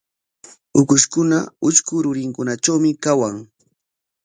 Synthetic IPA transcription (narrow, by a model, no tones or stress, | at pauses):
ʊkʊʃkʊnaʊt͡ʃkʊɾʊɾɪŋkʊnat͡ʃawmɪkawaŋ